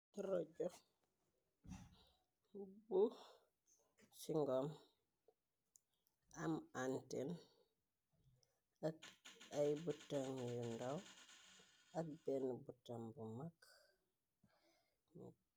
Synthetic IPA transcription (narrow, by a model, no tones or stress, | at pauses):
ɾɔɟɔ | bu | siŋɡɔm | amanten | akajbutaŋjundaw | ɐk̚bɛnbutambumak